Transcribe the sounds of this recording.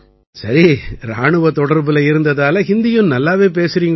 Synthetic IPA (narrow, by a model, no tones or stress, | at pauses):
sɐɾiɾaːɳɯʋɐt̪ɔɽɐɾbɪlɐɪɾɯnd̪ɐðaːlɐɦɪnd̪ɪjɯnnɐlːaːʋeːp̬eːsɪɾiːŋɡ